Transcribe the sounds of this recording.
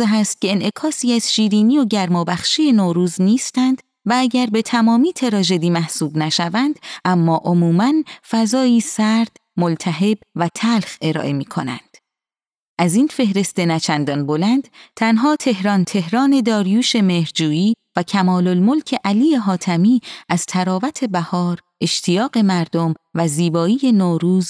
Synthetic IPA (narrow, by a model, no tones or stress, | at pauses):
eɦæst̪̚ce̞enʔe̞kʰɒːsiːæz̥ʃiːɾiːniːo̞ɟæɾmɒːbæχʃiːje̞noːɾuːzniːst̪ænd̪̥ | vææɟæɾbe̞t̪ʰæmɒːmiːt̪ʰe̞ɾɒːʒe̞d̪iːmæhsuːbnæʃævænd̪ʔæmːɒːʔo̞muːmænfæzɒːiːsæɾd̪̥ | molt̪ʰæɦe̞bvæt̪ʰælxe̞ɾɒ̰ːʔe̞miːkʰo̞næ̰nd̪̥ | ʔæzinfe̞hɾe̞st̪e̞næt͡ʃʰænd̪ɒːnbolænd̪̥t̪ʰænɦɒːt̪ʰe̞hɾɒːnt̪ʰe̞hɾɒːne̞d̪ɒːɾjuːʃe̞me̞hɾd͡ʒuːiːvæcʰæmɒːlolmolcʰe̞ʔæliːjeɦɒːt̪ʰæmiːʔæz̥t̪ʰæɾɒːvæt̪ʰe̞bæhɒːɾ | ʔe̞ʃt̪ʰijɒːɢe̞mæɾd̪omvæziːbɒːiːje̞noːɾuːz